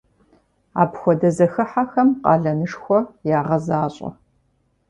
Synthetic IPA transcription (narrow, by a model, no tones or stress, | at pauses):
a̰ːpxʷɔdɐzɐxɨħaxɐmqʼɑ̰ːɮɐnɨʂxʷɔjaːʁɐzaːɕʼɐ̰